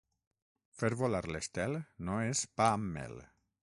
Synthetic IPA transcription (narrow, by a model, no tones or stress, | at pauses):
feɾβolaɾlest̪ɛlnoespamːɛ̰l